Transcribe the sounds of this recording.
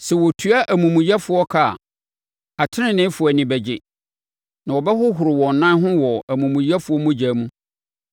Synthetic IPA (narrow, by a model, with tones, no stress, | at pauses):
sɛ˨wɔ˨tʰu˦a˦ʔæ˨mũ˨mũ˨jɛ˦fʊ˨ɔ˦kʰa̰˦˨ | a˨tʰɪ˦nɪ̃˨nɪ̃˦fʊ˨æ˨nɪ̃˨bɛ˨d͡ʑɪ˨ | nã˨wɔ˨bɛ˦ɦʊ˦ɦʊ˨ɾɪ˨wɔ̃˨n˨nã˦ɦʊ̃˦wɔ˨æ˨mũ˨mũ˨jɛ˦fʊ˨ɔ˦mũ˦d͡ʑaː˨˦mũ˦